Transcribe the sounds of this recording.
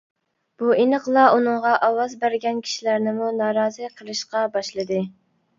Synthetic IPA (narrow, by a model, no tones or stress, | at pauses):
b̥uinəqlˠɑʔunɨŋʁɑʔɑwɑzbæɾɡʲɛnkʲʰi̥ʃilæɾnɪmunɑːɾɑːzɨqʰəlˠɨʃqɑbɑʃlˠɨd̪ɨ